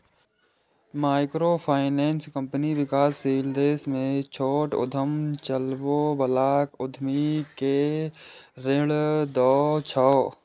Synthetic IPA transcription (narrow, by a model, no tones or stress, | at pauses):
maːɪkɾoːpʰaːɪneːnskə̃mpniʋɪkaːsːiːld̪eːsmẽt͡ʃʰoːʈʊ̰d̪ʱəmt͡ʃəlʋoːbəlaːkʊd̪ʱmike | ɾɪld̪ɔːt͡ʃʰɔː